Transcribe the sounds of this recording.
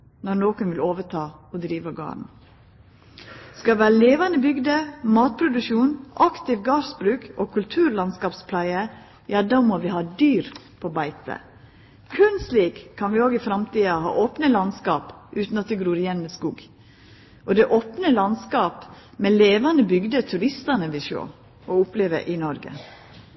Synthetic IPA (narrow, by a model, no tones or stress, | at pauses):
nɔɾnoːkənʋɪloːʋəʈʰɑːɔd̪ɾiːʋəɡɑ̰ːɾɳ̩ | skɑlʋæːɾəleːʋɑnəbʏɡd̪əmɑːt̪̚pʰɾʊd̪ʉʃuːnʔɑkt̪ɪʋɡɑːɾsbɾʉːkoːkʰʉlt̪ʰʉːɾlɑnskɑːpspʰlæɪə | jɑːd̪ɑːmɔʋɪhɑːd̪yːɾ | pʰɔbæɪt̪ə̰ | kʰʉnsliːkʰːɑnʋɪoːɡɪfɾɑmt̪iːɑhɑ̰ːʔoːpnəlɑnskɑːpʔʉːt̪n̩ɑt̪̚d̪ɛɡɾuːɾɪjɛnməskuːɡ | ʔɔd̪ɛʔoːpnəlɑnskɑːpmɛleːʋɑnəbʏɡd̪ət̪ʰʉɾɪst̪ɑnəʋɪʃo̰ː | ɔʊpleːʋə̰ɾʔɪnɔɾɡə̰